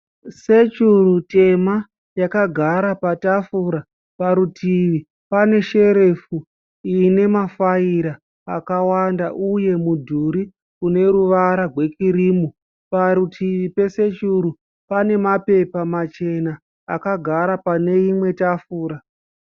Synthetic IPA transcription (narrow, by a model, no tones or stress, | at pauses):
se̞t͡ʃurute̞ma | jakaɡʱaɾapatafuɾa | paɾutʰiʋi | pane̞ʃe̞ɾe̞fu | iːne̞mafaiɾaː | kawandaʔuje̞mudʱuɾi | kune̞ɾuʋaɾarwe̞kiɾiːmu | paɾutʰiʋipe̞se̞t͡ʃuɾu | pane̞mape̞pamat͡ʃe̞naː | kaɡʱaɾapane̞imwe̞tafuːɾa